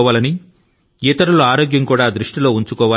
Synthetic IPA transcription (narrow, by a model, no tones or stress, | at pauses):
ʋaːlɐni | eːt̪ɐɾuluaːɾoːɡjɐŋkuːɽaːd̪ɾuʂʈilo̞ːuɲt͡ʃukɔːʋaː